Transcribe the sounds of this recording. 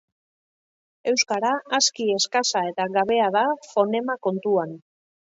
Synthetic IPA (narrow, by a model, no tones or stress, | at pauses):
e̞wskaɾaːskie̞skasae̞t̪aɣaβ̞e̞aðafo̞ne̞mako̞nt̪uan